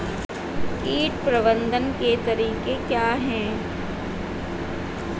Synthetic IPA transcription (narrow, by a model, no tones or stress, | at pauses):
iːʈpɾɐbə̃nd̪ənket̪ɐɾiːkekjaːɦɛ̃ː